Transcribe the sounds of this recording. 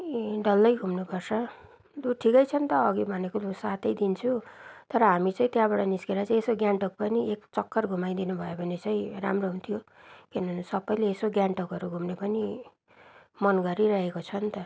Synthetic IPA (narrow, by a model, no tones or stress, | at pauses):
ɖʌlːʌjɡʱumnopʌrsʰʌ | d̪uʈʰikʌjt͡sʰʌnt̪ʌːɡibʱʌnekolusat̪ʌjd̪int͡sʰut̪ʌɾʌɦamit͡sãĩt̪jãbʌɽaniskeɾat͡saĩesoɡjaɳʈok̚pʌniekt͡sʌkːʌrɡʱumaj̃d̪inubʱʌjobʱʌnet͡saĩramroɦunt̪ʰijokinʌnsʌbʌjleːsoɡjaɳʈokʌɾuɡʱumnepʌni | mʌnɡʌɾiɾʌɦekot͡sʰʌnt̪ʌ